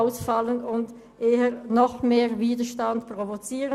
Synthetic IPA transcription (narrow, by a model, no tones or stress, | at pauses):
ʊsfɑlənʊnd | ʔeːənɔχmeːʁviːdəʃtantpʁ̥ovot͡siːʁə